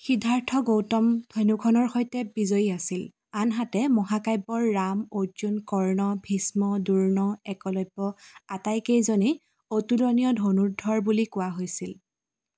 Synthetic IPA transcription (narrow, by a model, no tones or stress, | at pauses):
xidʱaɹtʰɔɡowtɔmd̥ʰʱɔjnukʰɔnɔɹxojtɛbizojiasil | anɦatɛmɔɦakajbɔɹːamozunkɔɹnɔbʱismɔduɹnɔɛkɔlɔjbːɔatajkejzoni | otulɔnijɔdʱonuɹdʱɔɹbulikʊwaɦojsil